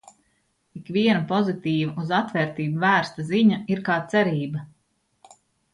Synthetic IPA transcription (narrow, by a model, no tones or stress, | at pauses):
ikʋiɛnɐpɔzit̪iːvɐʔuzat̪vɛːɾt̪iːbuvæːɾst̪aziɲaiɾkaːt̪sɛɾiːbɐ